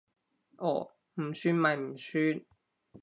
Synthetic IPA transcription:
ʔɔ˨˩ | m̩˨˩syː˥nma˨˩jm̩˨˩syː˥n

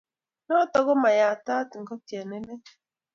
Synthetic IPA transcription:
nɔ˦tɔ˨ɣʊ˦ma˨ja˨a˨ta˦tŋ̩˨kɔ˦ti˨e˨ne˦ne˦

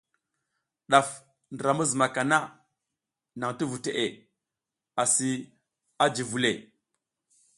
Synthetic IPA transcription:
ɗa˨f | ndɾa˨mu˦zma˨ka˨na˦ | na˨ŋti˦vu˨te˨ʔe˨ | a˨si˦ | a˦d͡ʒi˨vu˨le˨

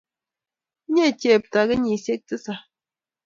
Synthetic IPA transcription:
ɲɛ˦˨tjɛ˦˨p̚ta˨ɡə˦ɲi˨sje˦k̚tɨ˦sa˨

